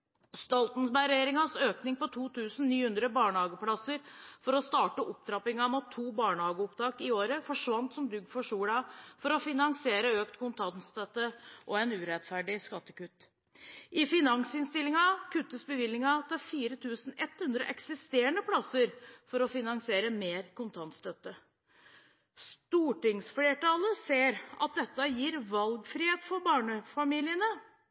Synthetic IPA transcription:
st̪ɔlt̪n̩sbæɪɾɛeːɾɪŋɑsøːknɪŋpɔt̪ʰuːt̪ʰʉːsn̩nyːhʉnd̪ɾəbɑːɳəhɑːɡəpʰlɑsəɾfɔɾɔst̪ɑːʈəʔɔp̚t̪ʰɾɑpɪŋɑmɑt̪ʰːuːbɑːɳəhɑːɡəɔpt̪ʰɑːkɪoːɾəfɔʂʋɑnt̪sɔmd̪ʉɡfɔʂuːɽɑfɔɾɔfɪnɑŋsɪeːɾəøːkt̪kʊnt̪ʰɑnst̪ɛt̪ːəʔɔɛnʉːɾɛt̪fæɖɪskɑt̪ːəkʉt̪ː | ʔɪfɪnɑŋsɪnst̪ɪlːɪŋɑkʰʉt̪ːəsbəʋɪlːɪŋɑt̪ʰɑfiːɾət̪ʰʉːsn̩ɛt̪hʉnd̪ɾə̰ʔɛksɪst̪eːɾəɳəpʰlɑsəɾfɔɾɔfɪnɑŋsɪeːɾəmeːɾkʰʊnt̪ʰɑnt̪st̪œt̪ːə | st̪uːʈɪŋsfleːʈɑləseːɾɑ̰t̪̚d̪ɛt̪ːəjiːɾʋɑlɡfɾɪːheːt̪fɔɾbɑːɳəfɑmiːlɪənə

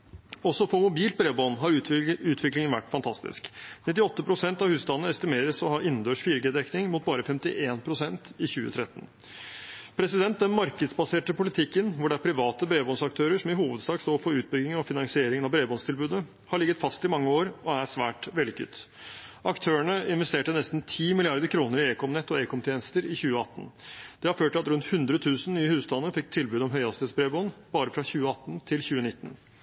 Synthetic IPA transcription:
ɔsːɔfɔɾmʊbiːlt̪̚bɾeːbɔnɦɑɾʉːt̪ʰʋɪklɪŋənʋæ̰ʈːfɑnt̪ʰɑst̪ɪ̰sknɪt̪ːɪɔt̪ːəpʰɾʊsɛnt̪ɑʋhʉːst̪ɑnːəɛst̪ɪmeːɾəsɔhɑːʔɪnːd̪øːʂfiːɾɡɛːd̪ɛknɪŋmuːt̪̚bɑːɾəfɛmt̪ɪʔeːnpʰɾʊsɛnt̪ɪçʉːə̰t̪ʰɾɛt̪ːən | pʰɾɛsɪd̪ɛnt̪̚d̪ɛnmɑɾkəd̪sbɑseːʈəpʊlɪt̪ʰɪkːənʋʊɖɛæɾpʰɾɪʋɑːt̪əbɾeːbɔnsɑk̚t̪ʰøːɾəʂɔmɪhuːʋəd̪sd̪ɑːɡst̪oːɾfɔɾʉːt̪̚bʏɡɪŋənɔfɪnɑŋsɪeːɾɪŋənɑʋbɾeːbɔnst̪ʰɪlbʉːd̪ə | hɑɭɪɡːət̪fɑst̪ɪmɑŋːəoːɾɔæʂʋæ̰ːʈʋɛlɪkʰʉ̰t̪ː | ʔɑkt̪ʰøːəɳəɪnʋɛst̪eːʈənɛst̪n̩t̪ʰiːmɪlɪɑɾd̪əɾkʰɾuːnəɾɪeːkʰɔmnɛt̪ːɔeːkʰɔmt̪ʰjeːnəst̪əɾɪçʉːəɑt̪ːn̩d̪̥ɛhɑɾføːʈɑt̪ɾʉnt̪hʉnd̪ɾət̪ʰʉːsn̩nyːəhʉːst̪ʰɑnːəfɪk̚t̪ʰɪlbʉːd̪ɔmɦœʏɑst̪ɛːt̪sbɾeːbɔnb̥ɑːɾəfɾɑçʉːəɑt̪ːnt̪ʰɪlçʉːənɪt̪ːən

